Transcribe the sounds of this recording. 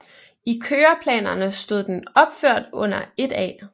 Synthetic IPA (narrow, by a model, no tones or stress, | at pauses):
ikʰøːɐpʰlɛ̰ːnɐnəsd̥o̝ð̞ˠd̥enɒ̽b̥føɐ̰d̥ɔ̽n̰ɐe̝d̥ɛ̰ː